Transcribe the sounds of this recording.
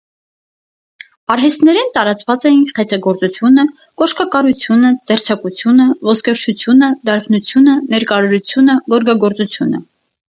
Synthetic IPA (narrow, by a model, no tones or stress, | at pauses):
ɑɾɦɛst̪nɛɾɛnt̪ɑɾɑt͡svɑt͡sɛjinχɛt͡sʰɑɡɔɾt͡sut͡sʰjunə | kɔʃkɑkɑɾut͡sʰjunəd̪ɛɾt͡sʰɑkut͡sʰjunəvɔskɛɾt͡ʃʰut͡sʰjunəd̪ɑɾkʰnut͡sʰjunənɛɾkɑɾɔɾut͡sʰjunəɡɔɾɡɑɡɔɾt͡sut͡sʰjunə̰